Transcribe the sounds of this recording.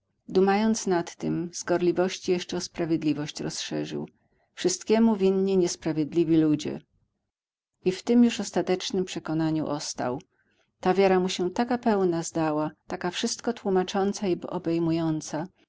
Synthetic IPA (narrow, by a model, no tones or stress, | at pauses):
d̪umajɔnt̪snat̪ːɘmz̥ɡɔɾlʲivɔɕt͡ɕijɛʂt͡ʂɛɔspɾavʲjed̪lʲivɔɕt͡ɕɾɔsʂɛʐɘ̰w | fʂɘst̪kʲɛmuvʲinɲiɲɛspɾavʲjɛd̪lʲivʲilud͡ʑɛ̰ | ift̪ɘmjuʂɔst̪at̪ɛt͡ʂnɘmpʂɛkɔnaɲṵʔɔst̪a̰w | t̪avʲjaɾamuɕɛt̪akapɛwnazd̪awat̪akafʂɘst̪kɔt̪wumat͡ʂɔnt̪saibɔʔɔbɛjmujɔnt̪sa